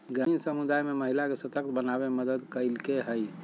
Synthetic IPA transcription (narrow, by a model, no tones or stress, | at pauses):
ɡɾainsəmud̪ajmeməɦilakesət̪ək̚t̪̚bənabeməd̪əd̪kəɪlkeɦəj